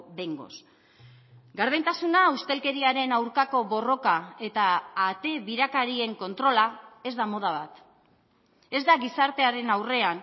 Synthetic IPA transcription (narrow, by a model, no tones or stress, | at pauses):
beŋɡo̞̰s | ɡaɾðejnt̪asunaust̪e̞lke̞ɾiaɾe̞nawɾkako̞βo̞ro̞kae̞t̪aːt̪e̞βiɾakaɾie̞ŋko̞nt̪ɾo̞lae̞zd̪amo̞ð̞aβ̞at̪ | e̞zd̪aɣisaɾt̪e̞aɾe̞nawre̞an